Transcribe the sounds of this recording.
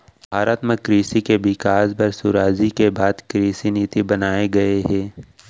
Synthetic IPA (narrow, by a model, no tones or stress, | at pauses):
bʱaːɾat̪məkɾiːsikebɪkaːsbɐɾsʊɾaːzikebaːd̪kɾiːsiniːt̪ibɐnaːeɡɐeɦɛ̃ː